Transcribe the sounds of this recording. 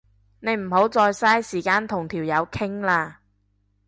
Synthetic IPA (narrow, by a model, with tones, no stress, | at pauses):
ne˨˧jm̩˨˩ho˨˥wt͡sɔː˧jsaː˥jsiː˨˩kaː˧nt̪ʰʊ˨˩ŋt̪ʰiː˨˩wjɐ˨˧wkʰɪ˥ŋlaː˧